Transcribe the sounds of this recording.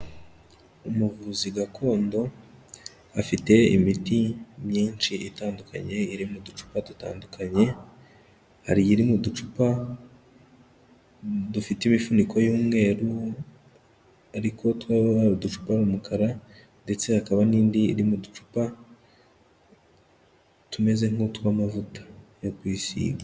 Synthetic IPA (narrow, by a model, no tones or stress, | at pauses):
umuvuziɡakʰo̞ːndo̞ | afite̞ḭmitimɲiːnt͡ʃiitaːnduka̰ɲe̞iɾimudut͡ʃu̥paduta̰ːndukʰaɲe̞ | ha̰ɾiiɾimudut͡ʃupa | dufitimifunikʰo̞juːmŋe̞ɾu | aɾikʰo̞twaβaaɾudut͡ʃu̥paɾumukʰaɾa | nde̞t͡se̞hakaβaniːndḭːɾimudut͡ʃu̥pa | tume̞ze̞ŋo̞tuβamavutḁjokwiːsḭːɡa